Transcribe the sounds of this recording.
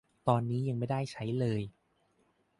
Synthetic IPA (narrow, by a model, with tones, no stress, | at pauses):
t̪ɔː˧nːiː˦˥ja˧ŋma˥˩jda˥˩jt͡ɕʰa˦˥jlɤː˧j